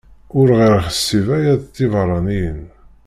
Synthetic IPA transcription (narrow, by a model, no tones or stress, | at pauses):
ʊɾʁiɾχəsːivæjæðt̪ːivɾˤɑnijən